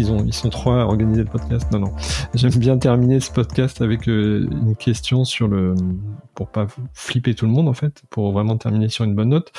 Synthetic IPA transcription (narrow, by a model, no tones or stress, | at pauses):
ilzɔ̃ilsɔ̃t̪χwaɔ̰ʁɡanizeləpɔd̪kʲast̪nɔ̃nɔ̃ʒɛmbjɛ̃t̪ɛʁminesə̥pɔd̪kʲast̪avɛkøy̰nkʲʰɛst̪jɔ̃syʁləpuʁpaflipet̪uləmɔ̃d̪ɑ̃fɛt̪pʰuʁvʁɛmɑ̃t̪ɛʁminesyʁynbɔnːɔt̪